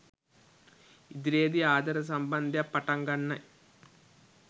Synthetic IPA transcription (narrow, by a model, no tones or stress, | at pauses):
id̪ɾeːd̪iaːd̪ɐɾɐs̬ɐmbɐnd̪ʱɐpɐʈɐŋɡɐɳːɐ